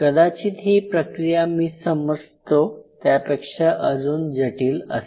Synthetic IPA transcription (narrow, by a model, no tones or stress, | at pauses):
kəd̪at͡ɕiːt̪ɦiːpɾəkɾijamiːsəməd͡zt̪ot̪japekʂaʔəd͡zuːnd͡ʑəʈiːlə̰s